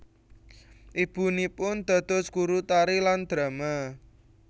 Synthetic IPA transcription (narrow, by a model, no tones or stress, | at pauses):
ʔib̥ṳnipʊnd̪̥a̤d̪̥ɔskuɾut̪aɾiland̪̥ɾa̤ma